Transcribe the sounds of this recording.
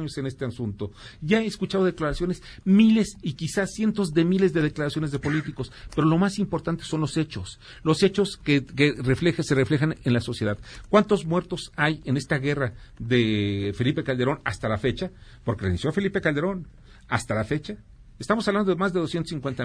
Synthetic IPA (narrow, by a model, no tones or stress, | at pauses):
ɲose̞ne̞st̪easunt̪o̞ʝaeskut͡ʃaðo̞ðe̞klaɾasjo̞ne̞smile̞sikisasje̞nt̪o̞zðe̞mile̞zðe̞ðe̞klaɾasjo̞nezðe̞po̞lit̪iko̞spe̞ɾo̞lo̞masimpo̞ɾt̪ant̪e̞̥so̞nlo̞se̞t͡ʃo̞s | lo̞se̞t͡ʃo̞skekereflexse̞refle̞xanenlaso̞sje̞ðaðkwant̪o̞zmwe̞ɾt̪o̞sajene̞st̪aɣe̞raðefe̞lipe̞kald̪e̞ɾo̞nast̪alafe̞t͡ʃapo̞ɾkerenisjo̞afe̞lipe̞kald̪e̞ɾo̞n | ast̪alafe̞t͡ʃa | est̪amos̬aβland̪omazðe̞ð̞osjent̪osiŋkwent̪a